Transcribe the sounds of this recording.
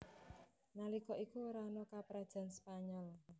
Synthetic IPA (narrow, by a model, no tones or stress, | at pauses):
nalikɔʔikuoɾanɔkapɾad̥ʒ̥a̤nspaɲɔl